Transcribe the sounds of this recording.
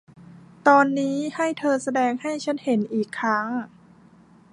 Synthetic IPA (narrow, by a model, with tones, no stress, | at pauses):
t̪ɔː˧nːiː˦˥ha˥˩jt̪ʰɤː˧sa˧dɛː˧ŋha˥˩jt͡ɕʰa˦˥nhe˩˦nʔiː˨˩kʰːɾa˦˥ŋ